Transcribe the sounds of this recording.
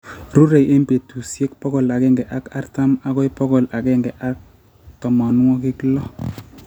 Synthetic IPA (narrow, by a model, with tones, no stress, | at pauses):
ɾu˦ɾe˨jʔe˦mbe˨tu˨sje˦k̚pɔ˦kɔ˨la˨kɛ˦ŋɡɛ˨ʔa˦ka˦rta˦ma˦kɔ˦jpɔ˦kɔ˨la˨kɛ˦ŋɡɛ˨ʔa˦k̚ | tɔ˨ma˨n˦ŋɔ˦ki˦klɔ˦